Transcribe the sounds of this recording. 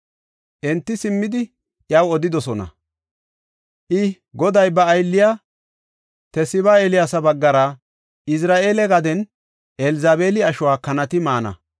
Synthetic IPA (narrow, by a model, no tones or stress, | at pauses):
ʔɛnt̪ːɪsɪmːɪd̪ɪ | ʔɪjɐwɔd̪ɪd̪ɔsɔnɐ̰ | ʔɪ | ɡɔd̪ɐjbɐːjlːɪja | t̪ɛsɪβaelɪjasɐbɐɡːɐɾɐ | ɪs̬ɾaːʔe̞ːlɛɡɐd̪ɛn | ʔɛlɪzaːbeːlɪɐʃʊwaːkɐnɐt̪ɪmaːnɐ̰